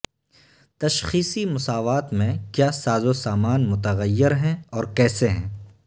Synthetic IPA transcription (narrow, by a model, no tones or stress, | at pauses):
t̪ɐʃxiːsimʊsaːʋaːt̪mẽkjaːsaːzosaːmaːnmʊt̪əɣəjːɪɾɦɛ̃ɔːɾkɛːseɦɛ̰̃ː